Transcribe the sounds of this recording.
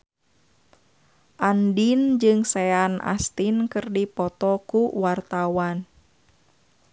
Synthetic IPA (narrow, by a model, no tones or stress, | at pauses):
ʔandind͡ʒɨŋsɛana̰st̪inkɨrdipɔt̪ɔkuwart̪awan